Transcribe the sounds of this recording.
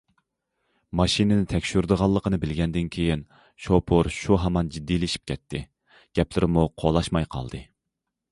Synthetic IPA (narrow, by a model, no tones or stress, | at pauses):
mɑʃinɪnɪt̪ʰɛkʲʃyɾd̪əʁɑlˠːəqʰənɨbɪlɡʲɛnd̪ɪnkʲʰejin | ʃopʰoɾʃuɦɑmɑnd͡ʒid̪ːilɪʃi̥p̚kʲɛt̪ʰːɪ | ɡ̥ʲɛplɪɾɪmuqʰolˠɑʃmɑjqʰɑ̰lˠd̪ɨ